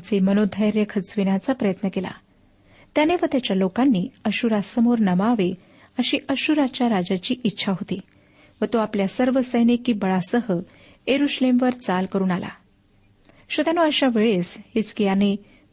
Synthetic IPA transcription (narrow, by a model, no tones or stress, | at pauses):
t͡semənod̪ʱəjɾjəkʰət͡sʋinat͡sapɾəjət̪nəkela̰ | t̪janeʋət̪jat͡ɕjalokanːiːəɕuɾasəmoɾnəmaʋe | əɕiːʔəɕuɾat͡ɕjaɾad͡ʑat͡ɕiːʔitːɕʰaɦot̪i | ʋət̪oapljasəɾʋəsəjnikːibəɭasəɦə | eɾuɕlemʋəɾt͡salkəɾuːnala̰ | ɕʋət̪anoəɕaʋeɭeshet͡skijane